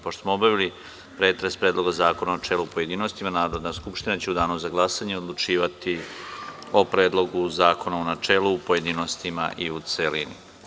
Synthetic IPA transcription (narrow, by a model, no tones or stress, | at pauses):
poʃt̪o̥smoobaʋili | pɾeːt̪ɾespɾeːd̪lˠo̞ɡazaːko̞nanat͡ʃeluupo̞je̞d̪inost̪imanaːɾod̪naskupʃt̪inat͡ɕeud̪aːnuzaɡlˠasaɲeod̪lˠut͡ʃiːʋat̪i | o̞pɾeːd̪lˠo̞ɡuzaːko̞naonat͡ʃeːluːpo̞je̞d̪inost̪ima̰ʔiut̪selinḭ